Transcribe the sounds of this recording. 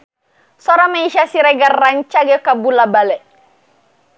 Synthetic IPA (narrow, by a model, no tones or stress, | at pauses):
sɔɾamaiʃasiɾɛɡarːaɲt͡ʃaɡɛkabulabalɛ